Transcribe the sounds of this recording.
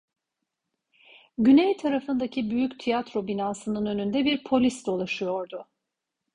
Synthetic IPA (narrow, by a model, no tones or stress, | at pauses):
ɟynejt̪ʰaɾafɯnd̪acʰibyjycʲt̪ʰijat̪ɾo̞binaːsɯnɯnø̞nynd̪ɛbiɾpʰo̞lʲisd̪olˠaʃɯjo̞ɾd̪ʊ